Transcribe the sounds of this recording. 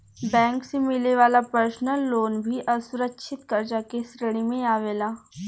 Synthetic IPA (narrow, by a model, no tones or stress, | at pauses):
bɛ̃ːŋksemɪleʋaːlapəɾsnəlːoːnbʱiʔɐsʊɾəkʃʰɪt̪kəɾd͡ʒakesɾəɽ̃imẽaːʋeːlaː